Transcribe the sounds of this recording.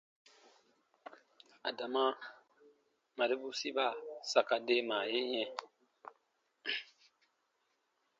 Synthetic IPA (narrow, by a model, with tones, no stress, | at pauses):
a̰˨da˨mã˦ | mã˨ɾe˦bu˦si˦ba˦˨sa˨ka˨de˦mãː˨je˦ɲɛ̃˦